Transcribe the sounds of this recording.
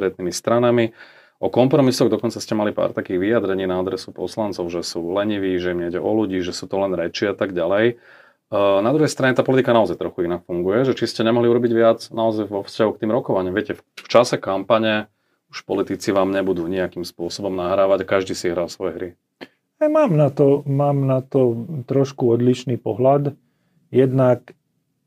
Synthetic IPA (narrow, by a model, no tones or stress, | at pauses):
st̪ɾɛt̪̚nimist̪ɾanami | ʔɔkɔmpɾɔmisɔɣd̪ɔkɔnt͡sascɛmalipa̰ːɾt̪akiːɣʋiad̪ɾɛɲiːnaad̪ɾɛsupɔ̰slant͡sɔʊʒɛsuːlɛɲiʋiːʒɛimɲɛɟɛʔɔluɟiːʒɛsuːt̪ɔlɛnɾɛt͡ʃɪɛat̪aɡɟalɛj | nad̪ɾuɦɛjst̪ɾaɲɛt̪aːpɔlit̪ikanaɔzajt̪ɾɔxuinakfuŋɡujɛʒɛt͡ʃiscɛɲɛmɔɦliuɾɔbiɟʋɪad͡znaɔzajʋɔfscaɦukt̪iːmɾɔkɔʋaɲɪamʋɪɛcɛfft͡ʃasɛkampaɲɛ | u̥ʃpɔlit̪it͡siʋaːmɲɛbud̪uːɲiakimspʊɔsɔbɔmnaɦɾaːʋaɟakaʒd̪iːsiiɦɾaːɔsʋɔjɛɦɾi | ajmaːmnat̪ɔmaːmnat̪ɔt̪ɾɔʃkuɔd̪liʃniːpɔɦlad̪ | jɛd̪nak